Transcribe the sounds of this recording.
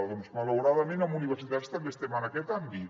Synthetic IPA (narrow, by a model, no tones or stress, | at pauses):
ðonzmaləwɾaðəmenəmuniβəɾsit̪at̪st̪əmbest̪ɛmənakɛt̪ambit̪